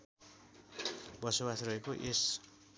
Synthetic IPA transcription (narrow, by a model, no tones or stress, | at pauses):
bʌsobasrʌɦekoʔes